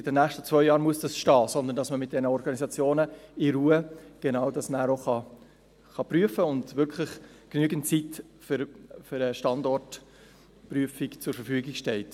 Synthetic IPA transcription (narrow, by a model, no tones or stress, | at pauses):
ɪd̥ɛnːæːχʃtət͡svœʏjɑːɾmuəsd̥ɑsʃtɑːsɔnd̪əndɑsməmɪt̚d̥ɛnəɔɾɡɑnizɑt͡sjoːnəɪɾuəɡ̥enɑʊdɑsməæːɾoχɑ | χɑprɾyəfəʊndvʏɾkʰlɪχ | knyəɡən̩t̚t͡sit | fʏɾfʏɾəʃtɑndɔrt | pryəfɪkt͡sʊɾfəfyːɡɪkʃtɛlt